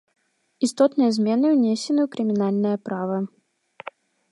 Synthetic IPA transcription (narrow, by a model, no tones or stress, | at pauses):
ist̪ɔt̪nɨjɐzʲmʲɛnɨwnʲɛsʲɛnɨwkɾɨmʲinalʲnɐjɐpɾavɐ